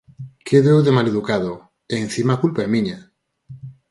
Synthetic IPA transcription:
kʰeðewðemaleðukaðo | en̟θimakulpaemiɲa

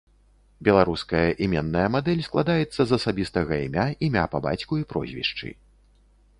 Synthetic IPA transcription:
bʲɛlˠaɾuskɐjɐʔimʲɛnːɐjɐmad̪ɛlʲsklˠad̪ajɛt̪sːɐzɐsabʲist̪ɐɣɐimʲaʔimʲa̰pɐba̰t͡sʲkuipɾɔ̰zʲvʲḭʂt͡ʂɨ̰

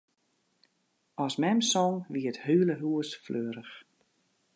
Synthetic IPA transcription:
ɔsmɛmsɔŋʋiəthyːləɦuəsfløːɾəx

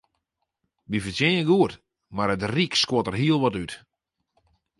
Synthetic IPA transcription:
ʋifəsjɪnəɡuət | maɾətrikskwotərɦiəlˠʋɔtyt

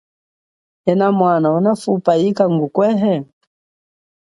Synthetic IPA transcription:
ɛnamwanaunafupaikaŋɡukwɛɦɛ

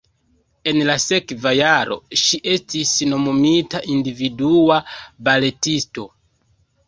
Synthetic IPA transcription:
e̞nlase̞kvajaɾo̞̰ʃiʔe̞stisno̞momitaʔindividuabale̞tisto̞

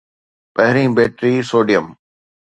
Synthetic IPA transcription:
pɐɦɾĩːbeːʈɾiːsoːɖijəm

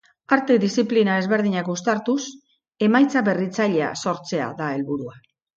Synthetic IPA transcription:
aɾt̪e̞ðisiplinae̞zβe̞ɾð̞iɲakust̪aɾt̪us | e̞majt͡saβe̞rit͡saʎe̞a̰so̞ɾt͡se̞a̰ðae̞lβuɾua

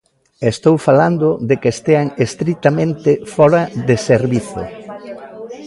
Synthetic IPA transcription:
est̪owfaland̪ʊðekest̪eaŋest̪ɾit̪amẽnt̪ɪfɔɾaðeseɾβiθo̰

